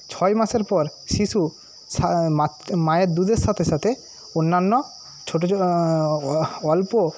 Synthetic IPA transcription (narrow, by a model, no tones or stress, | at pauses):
t͡ɕʰɔjmaʃeɾpɔɾʃiʃu | amamajeɾd̪ud̪eɾʃat̪ʰeʃat̪ʰe | onːanːo | t͡ɕʰoʈo | ɔlpo